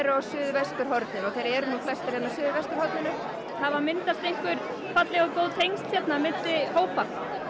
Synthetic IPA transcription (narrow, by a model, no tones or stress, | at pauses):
ɾasʏːðvɛst̪ʏɾ̥ɦɔɾt̪nɪmɔɣθejɾɛɾnuːflɛst̪aɾɛnasʏːðvɛst̪ʏɾhɔɾt̪nɪnʏ | θavaɾmɪnt̪ast̪ejŋ̥kvʏɾ̥ | fat̪lɛɣakowt̪hejŋst̪çjɛt̪namɪnt̪ɪhoːwpa